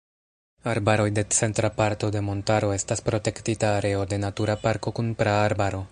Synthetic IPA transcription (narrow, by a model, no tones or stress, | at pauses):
aɾbaɾo̞jde̞t͡se̞ntɾapaɾto̞de̞mo̞ntaɾo̞e̞staspɾo̞te̞ktitaːɾe̞o̞de̞natuɾapaɾko̞kunpɾaːɾbaɾo̞